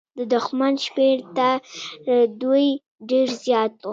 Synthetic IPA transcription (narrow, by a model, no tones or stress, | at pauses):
d̪əd̪ʊxmanʃmeɾt̪a | d̪uj | ɖeɾzjɑt̪̚wu